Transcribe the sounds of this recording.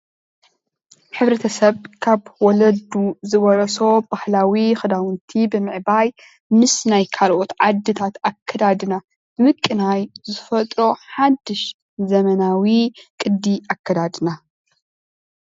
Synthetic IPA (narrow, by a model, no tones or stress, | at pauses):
ħɨβɾɐt̪ʰɐsɐβkʰaβwɔlɐd̪uzɨβɐɾɐso̞b̥ahlawixɨd̪awɨnt̪ʰibɨmɨʕbaj | mɨsnajkʰalʔo̞t̪ʕad̪ːɨt̪ʰat̪akʰːɐd̪ad̪ɨna | ɨmɨkʼːɨnajzɨfɐt̪ʼɾo̞ħad̪ːɨʃ | zɐmɐnawikʼɨd̪ːiʔakʰːɐd̪ad̪ɨna